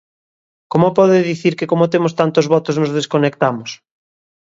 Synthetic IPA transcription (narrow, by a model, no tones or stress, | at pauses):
komopɔðɪðiθiɾkɪkomot̪emost̪ant̪ozβɔt̪oznozð̞eskonek̚t̪amos